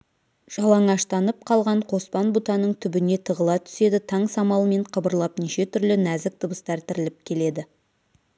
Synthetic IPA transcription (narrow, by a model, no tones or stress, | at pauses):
ʒ̥ɑlˠɑɴɑʃt̪ɑnəp̚qʰɑlˠʁɑɴqʰo̞spɑnbut̪ɑnəɴt̪ʰʏbɪne̞t̪ʰəʁəlˠɑt̪ʰʏ̥se̞d̪ɪt̪ʰɑɴsɑmɑlˠəme̞ɴqʰəbəɾlˠɑpniʃe̞t̪ʰʏɾlɪnæzɪk̚t̪ʰəbəst̪ɑɾt̪ʰɪɾɪlɪp̚kʲʰe̞le̞d̪ɪ